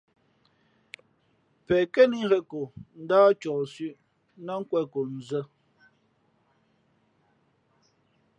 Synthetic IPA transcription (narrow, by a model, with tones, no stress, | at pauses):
pɛ˨kɛ˦ni˦ɣɛ˦ko˨n̩˦daː˦t͡ʃɔː˨sʉ˦ʔ | na˦ŋ̩˦kwɛ˦˨ko˨n̩˨zə˦